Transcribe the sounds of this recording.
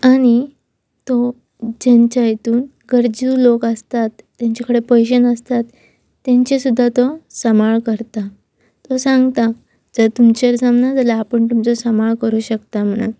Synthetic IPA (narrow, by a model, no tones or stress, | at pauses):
aɽ̃i | t̪ɔ | d͡ʑaɲt͡ɕajet̪uːn | ɡəɾd͡ʑilokəst̪at̪ːjãɲt͡ɕakəɽepəjɕ̬ənəst̪at̪ː | jãɲt͡ɕesud̪ʱːat̪ɔsəmaɭkəɾt̪a | t̪ɔsãŋɡt̪a | d͡zət̪umt͡ɕəɾd͡zamnad͡zəlaːpəɳt̪umt͡sɔsəmaɭkəɾuːɕəkt̪am̤əɳ̃a̰